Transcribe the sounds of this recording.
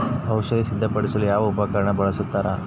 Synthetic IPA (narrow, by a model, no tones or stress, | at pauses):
ɐwʃɐjisid̪ʱːɐpɐɽisɐlujaːʋɐupɐkɐɾɐɳɐbɐɭɐsut̪ːaːɾa̰